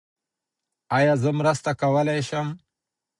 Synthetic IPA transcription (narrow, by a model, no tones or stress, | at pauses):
ajaːzəmɾəst̪akawəlajʃam